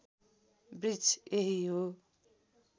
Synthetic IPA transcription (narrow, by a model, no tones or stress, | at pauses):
brid͡zeɦiɦo